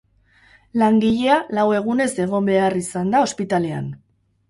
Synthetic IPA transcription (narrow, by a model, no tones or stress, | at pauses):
laŋɡiʎe̞alawe̞ɣ̞une̞se̞ɣ̞o̞mbe̞arisand̪ao̞spit̪ale̞a̰n